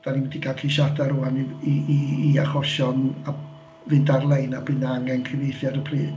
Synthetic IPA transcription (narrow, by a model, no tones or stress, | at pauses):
d̥aniwɛdiɡʰaɬʰiʃadaɾuaniiiiaχɔʃɔna | vɨndarlˠejnabɨnaaŋɛnkʰrɪvejθjaɾəpʰriː